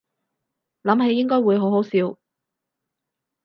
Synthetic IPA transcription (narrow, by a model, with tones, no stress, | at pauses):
lɐ˨˥mɦe˧˥jːɪ˥ŋkɔː˥jwuː˨˧jɦo˨˥wɦo˨˥wsiː˨˥w